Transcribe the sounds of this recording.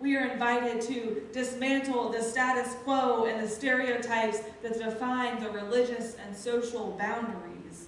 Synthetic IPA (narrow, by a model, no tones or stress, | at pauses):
wiə˞ɨ̃ɱvaɪɾɪd̚tʰɨdɨsmæ̃ntl̩ˠðɨstæɾɨskʰw̥oʊɨ̃nðɨstɛɹioʊtʰaɪpsðɨtsd̥ɨfãɪ̃nðɨɹɪlɪd͡ʒɨsɨ̃nsoʊʃl̩ˠbãʊ̃ndə˞ḭz̥